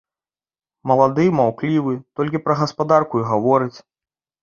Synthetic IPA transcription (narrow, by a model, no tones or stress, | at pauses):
mɐlˠad̪ɨmawklʲivɨt̪ɔlʲkʲipɾɐɣɐspad̪arkuiɣavɔɾɨt͡sʲ